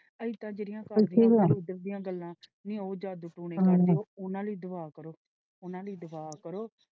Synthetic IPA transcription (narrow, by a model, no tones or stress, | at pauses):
əiːt̪ãːd͡ʒeːɾɪjãːkaĩːkɛːʊd̪əɾd̪iːãːɡəlːãːnĩːoːd͡ʒaːd̪uːʈuːɳeːoːʊnãːləiːd̪ʊbaːkəɾoː | ʊnãːləiːd̪ʊbaːkəɾoː